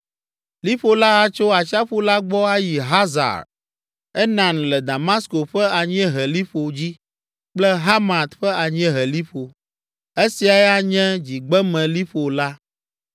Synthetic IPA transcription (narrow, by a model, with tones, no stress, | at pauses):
li˦ɸo˨la˦a˨t͡ʃo˦a˨t͡ʃa˦ɸu˦la˦ɡ͡bɔ˦a˦ji˨ɦa˦za̰˨ɾ | ɛ˦nã˨nlɛ˨d̪a˨ma˦sko˨ɸɛ˦a˨ɲɛ̃˦ɦɛ˨li˦ɸo˨d͡ʑi˦ | k͡plɛ˦ɦa˦ma˨t̪ɸɛ˦a˨ɲɛ̃˦ɦɛ˨li˦ɸo˨ | e˦si˨a˨jɛ˦a˦ɲɛ̃˦d͡ʑi˨ɡ͡bɛ˦mɛ̃˨li˦ɸo˨la˦